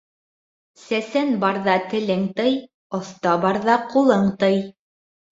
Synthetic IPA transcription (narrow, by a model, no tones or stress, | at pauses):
sæsænbɑɾðɑt̪ɘ̆lɘŋt̪ɤj | ŏθt̪ɑbɑɾðɑqulˠɤɴt̪ɤj